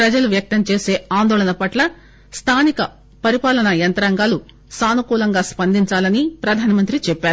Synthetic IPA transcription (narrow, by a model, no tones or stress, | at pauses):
ɾɐd͡ʒɐluʋjɐk̚t̪ɐmt͡ʃeːse̞ːaːnd̪ɔːlɐnɐpɐʈlɐ | st̪ʰaːnikɐ | pɐɾipaːlɐnɐjɐnt̪ɐɾɐŋɡaːlu | saːnukuːlɐŋɡaːspɐnd̪iɲt͡ʃaːlɐnipɾɐd̪ʱaːnɐmɐnt̪ɾit͡ʃɛpːaːɾu